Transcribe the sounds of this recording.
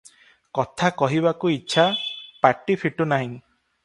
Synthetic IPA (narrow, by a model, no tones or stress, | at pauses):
kɔt̪ʰakɔɦibakuiːʃʰapaʈipʰiʈunaɦĩ